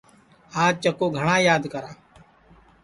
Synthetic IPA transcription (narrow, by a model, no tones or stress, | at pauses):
aːd͡ʒ̚t͡ʃəkoːɡʱəɳaːjaːd̪kəɾaː